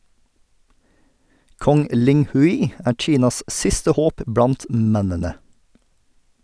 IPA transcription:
ˈkɔŋ ˈlɪŋhʉɪ ˈæːɾ ˈc͡çiːnɑs ˈʔsɪstə ˈhoːp ˈbɽɑnt ˈmɛnənə

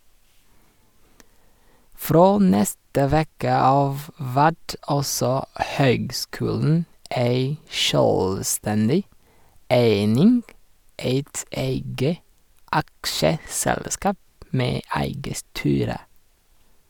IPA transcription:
ˈfɾoː ˈnɛstə ˈʋeːkə ˈɑːʋ ˈʋæt ˈɑlsɔ ˈhøːɡˌskʉːln̩ ˈæɪ ˈʃœlˌstɛndɪ ˈeɪnɪŋɡ ˈeɪt ˈeɪɡə ˈʔɑkʃəˌsɛlˌskɑːp ˈmeː ˈæɪɡə ˈstyːɾə

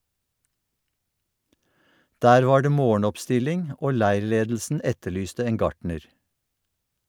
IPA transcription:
ˈdæːɾ ˈʋɑː ˈɖeː ˈmoːɳ̩ɔpˌstɪlɪŋ ˈoː ˈlæɪɹˌleːdl̩sn̩ ˈɛtəˌɭyːstə ˈeːŋ ˈɡɑʈɳəɾ

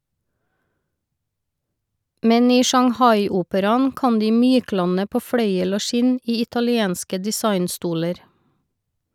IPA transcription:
ˈmɛn ˈiː ʃɑŋˈhɑɪˌuːpəɾɑn ˈkɑn ˈdiː ˈmyːˌklɑnə ˈpoː ˈfɽœʏəl ˈoː ˈʃɪn ˈiː ɪtɑlɪˈeːnskə dɪˈsɑɪnˌstuːləɾ

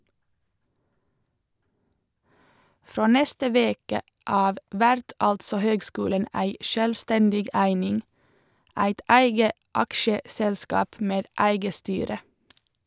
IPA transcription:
ˈfɾoː ˈnɛstə ˈʋeːkə ˈɑːʋ ˈʋæɾt ˈɑltsɔ ˈhøːɡˌskʉːlən ˈæɪ ˈʃøːlˌstɛndɪɡ ˈæɪnɪŋ ˈæɪt ˈæɪɡə ˈɑkʃəsɛlˌskɑːp ˈmeːd ˈæɪɡə ˈstyːɾə

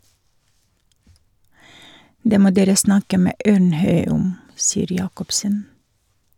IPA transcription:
ˈdeː ˈmoː ˈdeːɾə ˈsnɑkə ˈmeː ˈøːɳˌhœʏ ˈʊm ˈsiːəɾ ˈjɑːkɔpsən

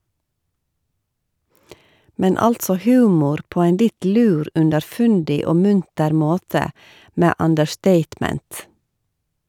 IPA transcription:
ˈmɛn ˈɑltsɔ ˈhʉːmʊɾ ˈpoː ˈæɪn ˈlɪt ˈlʉːɾ ʉndəɾˈfʉndɪ ˈoː ˈmʉntəɾ ˈmoːtə ˈmeː ɑndəɹˈsteɪtˌmɛnt

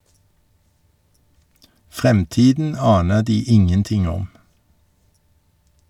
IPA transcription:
ˈfʁɛmˌtiːdn̩ ˈɑːnə ˈdiː ˈɪŋənˌtɪŋ ˈɔm

